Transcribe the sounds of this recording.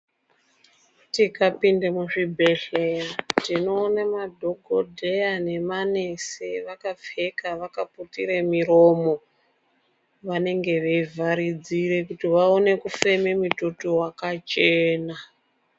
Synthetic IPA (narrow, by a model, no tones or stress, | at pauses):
tikapindemuʐibʱeɬetino̞ːnamadʱoɡʱodʱejane̞maneseʋakap͡fe̞kaʋakaputiremiɾomo | ʋane̞ŋɡe̞ʋeivʱaɾid͡zire̞kutiʋaone̞kufe̞me̞mutotowakat͡ʃeːna